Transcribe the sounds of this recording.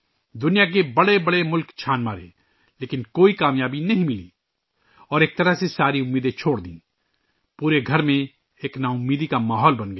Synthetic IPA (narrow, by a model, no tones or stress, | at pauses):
d̪ʊnijak̬ebɐɽebɐɽemʊlkt͡ʃʰaːnmaːɾḛ̃ | leːkɪnkoːikaːmjaːbinɐɦĩmɪlḭː | ɔːɾeːk̚t̪ɐɾəɦsesaːɾiʊmːiːd̪ẽt͡ʃʰoːɽd̪ḭ̃ː | puːɾeɡʱɐɾmẽ | eːknaːʊmːiːd̪ikamaːɦɔːlbɐnɡɐ